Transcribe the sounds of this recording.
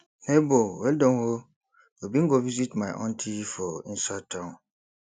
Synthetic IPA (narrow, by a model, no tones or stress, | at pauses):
nebowɛldɔ̃nho | jobiŋ̩ɡovizitmãʔɔ̰̃ntʰifɔin̩satʰãn